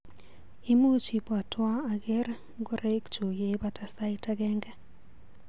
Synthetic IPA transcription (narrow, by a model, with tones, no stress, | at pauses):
i˦mu˦t͡ʃi˨pa˨twa˦a˨ɡɪ˦r | ɡo˦ɾe˦kt͡ʃu˨je˦ba˦ta˦sa˦ɪta˦ɡɛ˦ŋɡɛ˦